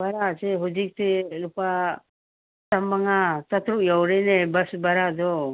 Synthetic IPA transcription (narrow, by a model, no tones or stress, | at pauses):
baɾasɛɦud͡ʒik̚tɛɾupa | tamːaŋasat̪ɾuʔjawɾɛnɛbasbaɾadɔ